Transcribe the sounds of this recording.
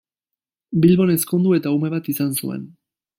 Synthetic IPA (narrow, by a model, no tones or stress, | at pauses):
bilβo̞ne̞skond̪ue̞t̪aume̞β̞at̪isansṵe̞̰n